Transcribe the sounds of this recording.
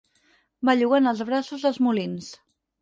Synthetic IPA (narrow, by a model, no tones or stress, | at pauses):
baʎuɣanəlˠzβɾasuzðəlˠzmulins